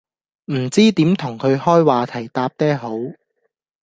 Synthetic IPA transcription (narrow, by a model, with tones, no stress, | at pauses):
m̩˨˩t͡siː˥t̪iː˨˥mt̪ʰʊ˨˩ŋkʰɵ˨˧ɥhɔː˥jwaː˨t̪ʰɐ˨˩jt̪aː˧p̚t̪ɛː˥ɦo˨˥w